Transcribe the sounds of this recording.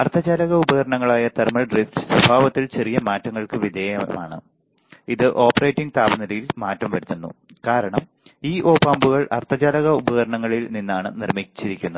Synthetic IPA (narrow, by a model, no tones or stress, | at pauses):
ɐrt̪ʰːɐd͡ʑaːlɐɣɐubɐɣɐɾɐɳɐŋːɐɭaːjɐt̪ermɐɭɖriftɨ̥swɐbʱaːʋɐt̪ːilt͡ɕe̞rijɐmaːtːɐŋːɐɭkɨʋid̪ʱeːjɐma̰ːɳɨ̰ | iðɨʔo̞ːpːɐrejtːiŋɡt̪aːbɐnɐlɐjilmaːtːɐmʋɐɾut̪ːunːṵ | kaːɾɐɳɐm | iːʔo̞ːpaːmbuɣɐɭʔɐ̰rt̪ʰɐd͡ʑaːlɐɣɐubɐɣɐɾɐɳɐŋːɐɭilninːaːɳɨnirmit͡ɕːiɾikʲːunːɐ